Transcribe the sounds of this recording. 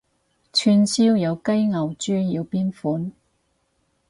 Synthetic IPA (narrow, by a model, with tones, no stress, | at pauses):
t͡ʃʰyː˧nsiː˥wjɐ˨˧wkɐ˥jŋɐ˨˩wt͡ʃyː˥ji˨˧wpiː˥nfuː˨˥n